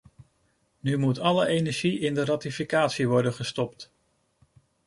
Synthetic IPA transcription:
nymutɑləʔejnɛɹʒiʔɪndərɑtifikaːtsiʋɔɹdəχəstɔpt

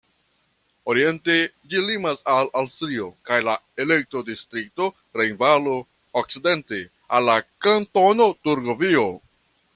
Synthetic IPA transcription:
o̞ɾie̞nte̞ | d͡ʒilimasalawstɾio̞kajlae̞le̞k̚tɾo̞distɾik̚to̞ | ɾejnvalo | ok̚t͡side̞nte | alːakanto̞no̞tuɾɡovio̞

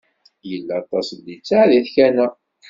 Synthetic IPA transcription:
jəlːæt̪ˤɑsd̪it͡sːaʕðiθçænə

